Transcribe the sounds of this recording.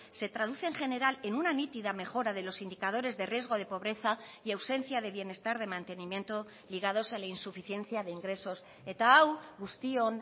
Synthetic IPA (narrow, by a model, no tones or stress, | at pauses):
se̞t̪ɾaðuθe̞ːŋχe̞ne̞ɾale̞nunanit̪iðame̞xo̞ɾaðe̞lo̞sind̪ikað̞o̞ɾe̞zðe̞rje̞zɣo̞ð̞e̞po̞βɾe̞θaiawse̞n̟θjaðe̞βje̞ne̞st̪aɾð̞e̞mãnt̪e̞nimje̞nt̪o̞ | liɣ̞að̞o̞salainsufiθje̞n̟θjaðeiŋɡɾe̞so̞s | et̪awɡust̪ion